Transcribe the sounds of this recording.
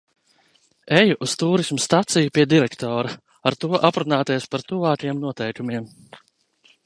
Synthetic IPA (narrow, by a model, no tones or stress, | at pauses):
ejuʔust̪uːɾismust̪at̪sijupʲiɛd̪iɾɛkt̪ɔːɾa | aɾt̪uɔʔapɾunaːt̪ɛspaɾt̪uvaːkjɛmnuɔt̪ɛjkumiɛm